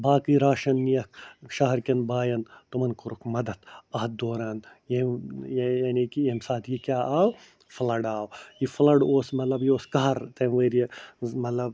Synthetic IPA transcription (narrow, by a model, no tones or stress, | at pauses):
baːkiːɾaːʃɐnːijɐkʃaɦɐɾkʲɐnbaːjɐnt̪umɐnkʊɾukmɐd̪ɐt̪ɐːd̪oːɾaːn | jejjaːnikiemsaːt̪ʰjekʲaːʔaːw | flɐɖaːwjiflɐɽoːsmɐt̪lɐbjioːskɐɦɐɾt̪ɐmʋɐɾijemɐt̪lɐb